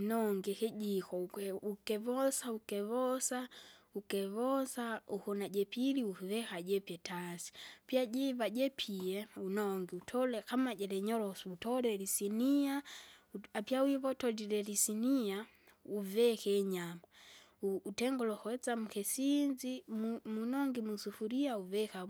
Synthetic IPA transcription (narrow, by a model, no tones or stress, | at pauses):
nɔŋɡɛkɛɟikɔkɛukɛvɔsaukɛβɔsaukɛβɔsauhɔnaɟɛpiliuvɛkaɟɛpiɛtasi̥piaɟɛvaɟɛpʰiɛunɔŋɡiutʰɔlɛkamaɟɛlɛɲɔlɔsutɔlɛlisiniauapjawiβɔtɔdiɾɛlisinia | uvɛkɛɲamauːtɛŋɡɔlɔhɔɛt͡samukɛsind͡ʒimmunɔŋɡimusufuɾiauvɛka